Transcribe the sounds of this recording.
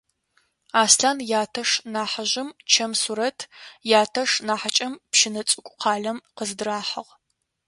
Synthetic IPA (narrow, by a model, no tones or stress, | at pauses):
aːsɬaːnjaːtʰɐʂnaːħɐʒɪmt͡ʃʰɐmsuɾɐtʰjaːtʰɐʂnaːħat͡ʃʼɐmpʃɪnɐt͡sʼɨkʷʼʊqʰɑːɮɐmqəzɨdɨraːħɐʁ